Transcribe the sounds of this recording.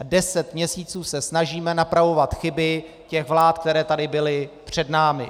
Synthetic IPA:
dɛsɛt̪mɲɛsiːt͡suːsɛsnaʒiːmɛnapɾavo̞vat̪xɪbɪ | cɛɣvlaːt̪̚kt̪ɛɾɛːt̪adɪbɪlɪpr̝̥ɛdnaːmɪ̰

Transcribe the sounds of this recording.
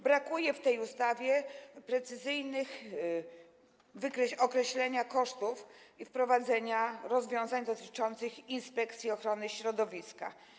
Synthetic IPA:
bɾakujɛft̪ɛjust̪avʲjɛpɾɛt̪sɘzɘjnɘx | vɘkɾɛɔkɾɛɕlɛɲakɔʂt̪ufifpɾɔvad̪zɛɲaɾɔzvʲjɔ̃w̃zaɲd̪ɔt̪ɘ̥t͡ʂɔnt̪sɘxinspɛkt̪sʲiɔxɾɔnɘɕɾɔd̪ɔvʲiska̰

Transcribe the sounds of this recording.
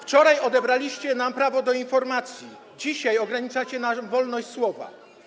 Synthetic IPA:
ft͡ʂɔɾajɔd̪ɛbɾalʲiɕt͡ɕɛnampɾavɔd̪ɔinfɔɾmat̪sʲji | d͡ʑiɕajɔɡɾaɲit͡ʂat͡ɕɛnavɔlnɔɕʲswɔva̰

